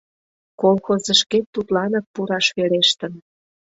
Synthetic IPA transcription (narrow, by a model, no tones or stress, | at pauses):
kolxozəʃket̪ːut̪lɑnɤk̚puɾɑʃβeleʃt̪ən